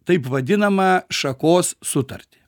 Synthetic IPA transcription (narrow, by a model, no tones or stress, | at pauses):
t̪ɐɪpʋɐd̪ʲɪnɐmɐʃɐkoːssʊt̪ɐɾʲt̪ʲɪ̥